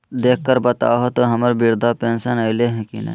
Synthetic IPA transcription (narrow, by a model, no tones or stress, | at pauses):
d̪eːk̚ʰkəɾbət̪a̰ːɦot̪oɦɐməɾbiɾd̪ʱapẽːnsənaɪleɦɛ̃kinɐ̰